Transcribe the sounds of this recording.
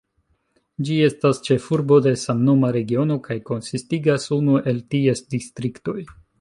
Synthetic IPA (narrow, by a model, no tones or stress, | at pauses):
d͡ʒie̞stast͡ʃe̞fuɾbo̞de̞samno̞maɾe̞ɡio̞no̞kajko̞nsistiɡasunuʔe̞ltie̞sdistɾikto̞j